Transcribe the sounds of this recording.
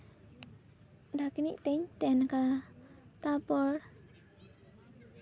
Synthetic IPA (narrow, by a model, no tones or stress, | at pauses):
dakinḭʔt̪ɛɲt̪ɛnka | t̪apɔr